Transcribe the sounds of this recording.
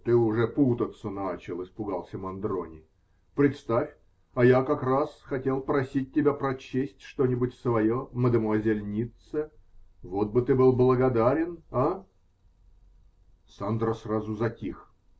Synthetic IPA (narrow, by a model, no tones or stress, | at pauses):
t̪ɨʊʐɛput̪ət̪sənat͡ɕɪlˠɨspʊɡalˠsʲəmɐnd̪ɾo̰nʲɪ | pɾʲɪt̪st̪afʲ | ɐjakɐkrasxɐtʲe̞lˠpɾɐsʲit̚ʲːɪbʲapɾɐt͡ɕesʲtʲʂt̪o̞nʲɪbʊtʲsvɐjoməd̪əmoəzʲɪlʲnʲit̪səvo̞t̪̚bɨt̪ɨbɨlˠblˠəɡɐd̪aɾʲɪnɐ | sand̪ɾəsrazʊzɐtʲix